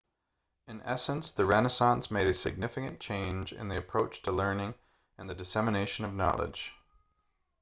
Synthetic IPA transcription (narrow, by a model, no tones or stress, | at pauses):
ɨ̃nɛ̰sə̃nsðɨɹɛnəsɑ̃nsmeɪɾɨsɨ̰ɡ̚nɪfɨkɨ̃nt͡ʃʰẽɪ̃nd͡ʒɪ̰̃nðiɨpʰɹ̥oʊt͡ʃtʰəlɜ̃˞nɪ̃ŋ | ɨ̃nðɨdɨsɛmɨneɪʃɨ̃nʌvnɑ̰lˠə̰d̥ʒ̥